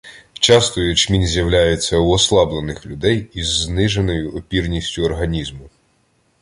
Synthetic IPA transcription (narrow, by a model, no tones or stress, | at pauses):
t͡ʃɑst̪ɔjʊt͡ʃmʲinzʲjɐwlʲajet͡sʲːɐuɔslˠɑblˠenɪxlʲʊd̪ɛjizːnɪʒe̞nɔjʊɔpʲirnʲisʲtʲʊɔrɦɐnʲizmʊ